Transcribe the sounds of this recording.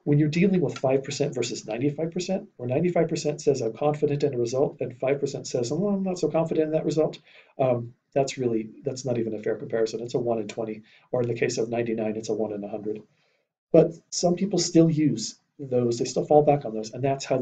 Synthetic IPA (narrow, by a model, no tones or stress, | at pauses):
wə̃njə˞dilˠɪ̃ŋwəð̥faɪv̥pʰə˞sɛ̃ntvɜ˞sɨznãɪ̃ntifaɪv̥pʰə˞sɛ̃ntə˞nãɪ̃ntifaɪv̥pʰə˞sɛ̃ntsɛzãɪ̃mkʰɑ̃ɱfɨɾɨ̃ntɨ̃nəɹɨzʌlˠtɨ̃nfaɪv̥pʰə˞sɛ̃ntsɛzʌãɪ̃mnətsoʊkʰɑ̃ɱfəɾɨ̃ñn̩ðɨʔ̚ɹʔɨzʌlˠt | ʔʌ | ðætsɹɪlˠiðætsnəɾivɨ̃nɨfɛɹkm̩pʰɛɹɨsɨ̃nɨtsəwʌ̃nɨ̃ntʰw̥ɛ̃ɾ̃i | ə˞ɨ̃nðɨkʰeɪsʌvnãɪ̃ntinãɪ̃nɨtsəwʌ̃nɨ̃nəhʌ̃ndɹɨd̚ | b̥ʌt̚sʌ̃mpʰipl̩ˠstɪlˠjʉz̥ | ðoʊzðeɪstɪlˠfɔlˠbækn̩ðoʊzə̃nðætshaʊ